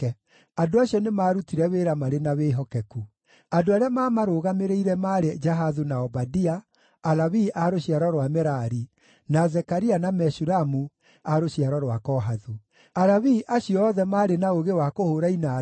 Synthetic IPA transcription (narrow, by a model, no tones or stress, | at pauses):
ɛ | adoaɕiɔnemaːɾutiɾɛweɾamaɾenaweɦɔkɛku | adoaɾeamaːmaɾoɣameɾeiɾɛmaːɾed͡ʒaɦaðunaɔbadiaː | lawiʔaɾoɕiaɾɔɾwamɛɾaɾi | nazɛkaɾianamɛʃuɾamu | aɾoɕiaɾɔɾwakɔɦaðu | aɾaβiʔaɕijɔɔðɛmaːɾenaoɣewakohoɾaina